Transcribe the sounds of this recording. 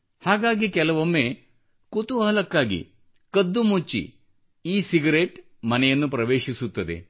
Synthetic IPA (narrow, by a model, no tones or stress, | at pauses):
haːɡaːɡikɛlɐʋomːe | kut̪uɦɐlɐkːaːɡḭ | kɐd̪ːumut͡ʃːḭ | iːsiɡɐɾeːʈ | mɐnɐjɐnːupɾɐʋeːʂisut̪ːɐd̪ḛ